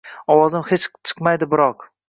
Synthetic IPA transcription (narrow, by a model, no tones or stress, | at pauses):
ɒwɒzɪmhet͡ʃt͡ʃʰɨ̥qmajd̪ɪbɪɾɒq